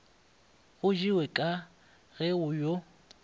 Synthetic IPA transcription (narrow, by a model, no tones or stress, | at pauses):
ɣʊd͡ʒiwɛkʼa | ɣɛʊjo